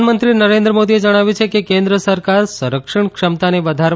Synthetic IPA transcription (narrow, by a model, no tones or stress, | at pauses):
nmənt̪ɾinəɾẽnd̪ɾəmod̪ied͡ʒəɽ̃aʋjũt͡ʃʰekekẽnd̪ɾəsəɾkaɾsəɾəkʂəɳkʃəmt̪aneʋəd̪ʱaɾ